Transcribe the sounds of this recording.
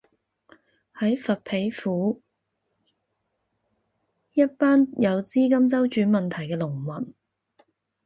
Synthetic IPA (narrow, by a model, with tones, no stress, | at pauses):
hɐ˨˥jfɐ˨t̚pʰe˨˥jfuː˨˥ | jɐ˥t̚paː˥njɐ˨˧wt͡siː˥kɐ˥mt͡sɐ˥wt͡ʃyː˨˥nmɐ˨nt̪ʰɐ˨˩jkɛː˧lʊ˨˩ŋwɐ˨˩n